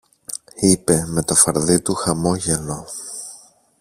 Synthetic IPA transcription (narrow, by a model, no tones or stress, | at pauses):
ipe̞me̞t̪o̞fɐɾðit̪uxɐmo̞ʝe̞lo̞